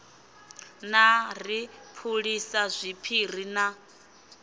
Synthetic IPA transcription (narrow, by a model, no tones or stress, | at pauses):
naripʰuɺisazʷipʰiɾ̤ina